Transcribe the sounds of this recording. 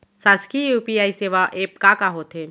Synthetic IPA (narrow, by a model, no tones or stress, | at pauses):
saːskijuːpiaːiseːʋaʔeːpkakaɦoːt̪ɦeː